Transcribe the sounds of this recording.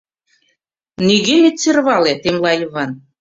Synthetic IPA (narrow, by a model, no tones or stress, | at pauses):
niɣenʲet͡serβɑlet̪emlɑjiβɑn